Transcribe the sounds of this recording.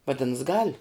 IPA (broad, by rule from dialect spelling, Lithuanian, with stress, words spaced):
ʋɐˈdʲɪns ɡɐlʲ